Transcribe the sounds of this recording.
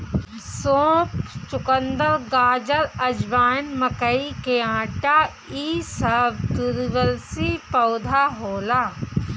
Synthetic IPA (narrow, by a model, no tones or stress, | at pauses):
sõːpt͡ʃʊkənd̪əɾɡaːd͡ʒəɾɐd͡ʒʋaːnmɐkəikeãːʈa | iːsɐbt̪uɾiʋəlsipɐʊd̪ʱaɦoːlaː